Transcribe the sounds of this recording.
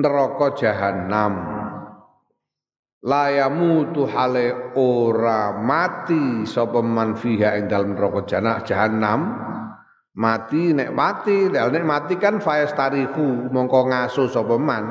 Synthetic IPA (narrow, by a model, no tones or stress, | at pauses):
nəɾɔkɔd̥ʒ̥a̤ɦanam | lajamut̪uhaleoɾamat̪isɔpəmanfiɦaʔɪŋd̪aləmnɾɔkɔd̥ʒ̥anad̥ʒ̥aɦanam | at̪inɛʔmat̪ilealnɛʔmat̪ikanfajast̪aɾihumɔŋkɔŋasosɔpəman